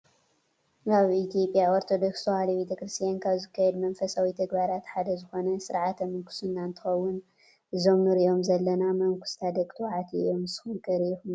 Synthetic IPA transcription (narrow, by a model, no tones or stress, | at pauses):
aβit̪ʰijo̞pʼjaoɾt̪ʰo̞d̪oksuhalibet̪ʰɐkɾɨst̪ʰijankʰaβzɨkʰːajɛd̪mɐnfɐsawit̪ʰɐɡbaɾat̪ħad̪ɐzɨxo̞nɐsɨɾʕat̪ʰɐmɨnkʰu̥sunːaɨnt̪ʰɨ̥xɐwːʊn | ʔɨzo̞mnɨɾiʔo̞mzɐlːɐnamɐŋkʰu̥st̪ʰad̪ɐkʼt̪ʰwʕat̪ʰiʔjo̞msɨxɨnkʼɐɾiju